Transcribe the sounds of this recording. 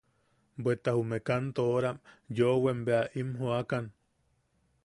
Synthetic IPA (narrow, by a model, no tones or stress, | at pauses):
bwet̪ahumekant̪ooɾamjoʔwembeaʔimɦoakan